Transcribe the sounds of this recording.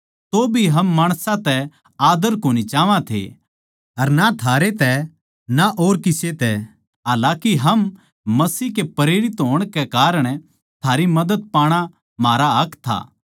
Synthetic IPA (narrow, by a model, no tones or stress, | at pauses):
t̪obʱiɦɐmːaːɽ̃sãt̪ɛ | aːd̪əɾkoːñit͡ʃaːʋãt̪ʰḛ | ɐɾnat̪ʰaːɾet̪ɛ | naʔoːɾkɪset̪ɛ | ɦaːlaːkiɦɐmː | ɐsiːkepɐɾeːɾɪt̪ɦoːəɽ̃kekaːɾəɽ̃ | t̪ʰaːɾimɐd̪ət̪̚paːɽ̃a | maːɾaɦɐkʰt̪ʰa̰ː